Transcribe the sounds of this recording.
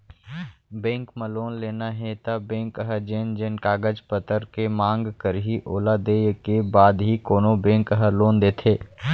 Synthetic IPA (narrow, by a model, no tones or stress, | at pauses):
bẽːŋkməloːnleːnaɦet̪abẽːŋkəɦəd͡ʒeːnd͡ʒenkaːɡəd͡ʒpət̪əɾkemãːŋɡkəɾɦiʔoːlad̪eːjkebaːd̪ɦikoːnobẽːŋkɦəloːnd̪eːt̪ʰeː